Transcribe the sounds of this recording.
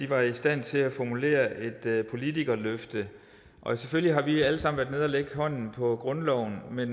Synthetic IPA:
d̥iʋɑ̈isd̥æn̰t͡sʰe̝æfɒmule̝̰ːɐʔe̝d̥pʰo̝lit͡sʰiɡ̥ɐløfd̥ə | ʔɒ̽seføliɦɑ̈ʋiæləsɑ̈mn̩ʋæɐdne̝ð̞ˠɐleɡ̥əɦɒ̽n̰n̩pʰɒ̽ɡ̥ʁɔ̽nlɒʊ̰n̩men

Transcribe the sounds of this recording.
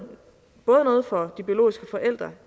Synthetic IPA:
b̥ɔːð̞̩ˠnɔ̽ːð̞̩ˠfɒ̽d̥ib̥io̝lo̝̰ːisɡ̥əfɒ̽ʔel̰d̥ʁɐ

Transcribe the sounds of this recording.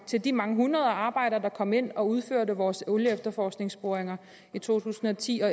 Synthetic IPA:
t͡sʰe̝ld̥imɑ̈ŋəɦunʁɐð̞ˠɐɑ̈ːb̥ɑ̈ɪ̰ɾ̥ɐːd̥ɑ̈kʰɒ̽m̰e̝n̰ɒ̽uð̞ˠføɐ̰ɾəʋɒːseʊləefd̥ɐfɒːsɡ̥ne̝ŋsb̥o̝ɐeŋɐ | it͡sʰo̝̰ːt͡sʰṵːsn̩ɒ̽t͡sʰḭːɒ̽

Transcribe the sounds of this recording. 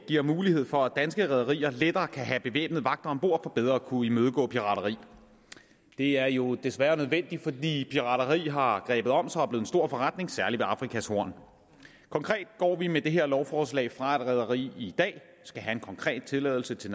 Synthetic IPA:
ɡ̥iɐmuːlihe̝ð̰ˠfɒ̽æd̥ænsɡ̥əʁɛð̞ˠɐʁḭːɐled̥ɐːkʰæɦæb̥e̝ʋḛːb̥nð̩ˠʋɑ̈ɡ̥̚d̥ɐɒmb̥o̝ɐ̰fɒ̽b̥eð̞ˠʁɐkʰuimøð̞ˠəɡ̥ɔ̰ːpʰiʁɑ̈dɐʁḭː | d̥e̝æɐjo̝d̥e̝sʋæːɐnøð̞ˠʋen̰d̥ifɒ̽d̥ḭːpʰiʁɑ̈dɐʁḭːɦɑ̈ɡ̥ʁɛːb̥ð̞̩ˠɒ̽m̰sɒ̽æɐb̥le̝ːð̩ˠensd̥o̝ɐ̰fɒ̽ʁɑd̥ne̝ŋsæɐliʋeɑ̈fʁikʰæsho̝ɐ̰n | kʰɒ̽ŋkʰʁɛ̰ːd̥̚ɡ̥ɒ̰ːʋimed̥e̝ɦe̝ɐ̰lɒʊfɒːslɛ̰ːɪfʁɑ̈ed̥ʁɛðˠɐʁḭːid̥ɛ̰ː | sɡ̥æɦæe̝nkʰɒ̽ŋkʰʁɛ̰ːd̥̚t͡sʰe̝lɛːðˠl̩sət͡sʰe̝

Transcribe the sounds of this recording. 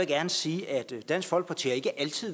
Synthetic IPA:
eɡ̥æɐnəsiːæd̥d̥æn̰sɡ̥fɒ̽l̰ɡ̥̚pʰɒt͡sʰe̝̰ːɐe̝ɡ̥əʔælt͡sʰið̰ˠ

